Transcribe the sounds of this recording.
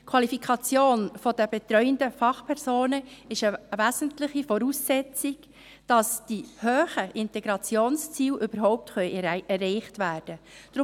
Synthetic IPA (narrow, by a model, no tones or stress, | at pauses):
kʰwɑlifikʰɑt͡sjoːnfɔd̥əbet̪ɾœʏəndəfɑχpʰɛɾsoːnəɪʃəʋæːzən̩tlɪχifɔɾuːsːɛt͡sɪɡ | d̥ɑsd̥ihøːχəʔɪntɛɡɾɑt͡sjoːnst͡siːlʔøbəɾɦɔʊp̚tχœʏɛrɛɪχtʋæːrd̥əd̥ɾʊ